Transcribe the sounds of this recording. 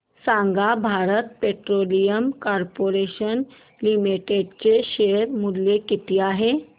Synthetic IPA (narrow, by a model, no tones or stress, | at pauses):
sãŋɡabʱaɾət̪̚peʈɾolijəmkɔɾpoɾeɕən | limiʈeɖt͡ɕeɕeɾmud̪lekit̪iːaɦe